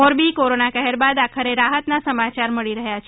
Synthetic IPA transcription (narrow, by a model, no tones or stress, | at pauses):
oɾbikoɾonakəɦɛɾbad̪akʰəɾeɾaɦət̪nasəmat͡ʃaɾməɭiɾəɦjat͡ʃʰ